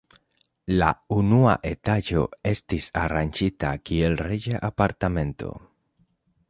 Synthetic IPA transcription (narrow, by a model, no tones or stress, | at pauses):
la̰unua̰ʔe̞tad͡ʒo̞̰e̞stisaɾand͡ʒitakie̞lred͡ʒaʔapaɾtame̞nto̞̰